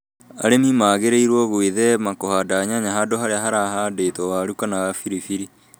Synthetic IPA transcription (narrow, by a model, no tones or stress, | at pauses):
a̰ɾemimaːɣeɾeiɾwɔɣwiðɛmakohadaɲaɲaɦadoɦaɾeaɦaɾaɦadeːtɔwaɾukanaɣafiɾifiɾi